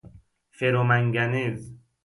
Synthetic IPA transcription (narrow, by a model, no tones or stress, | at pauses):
feɾomæŋɡænez